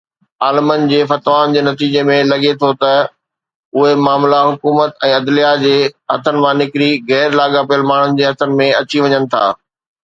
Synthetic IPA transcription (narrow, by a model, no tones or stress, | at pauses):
aːləmən̆d͡ʑeːfɐt̪ʋaːnd͡ʑeːnɐt̪iːd͡ʑemẽlɐɠet̪ʰot̪ɐ | ʊɦemaːmlaɦʊkuːmət̪ɛ̃ːɐd̪lijad͡ʑeːɦɐt̪ʰənɪ̆mãːnɪkɾiɣɛːɾlaːɠapijəlmaːɳ̤ʊnɪ̆d͡ʑeːɦɐt̪ʰənɪ̆mẽɐt͡ɕiʋɐɲənɪ̆t̪ʰa̰ː